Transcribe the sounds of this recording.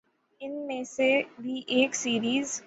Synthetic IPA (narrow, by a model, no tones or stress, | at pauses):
ɪnmẽsebʱiʔeːksiːɾiːz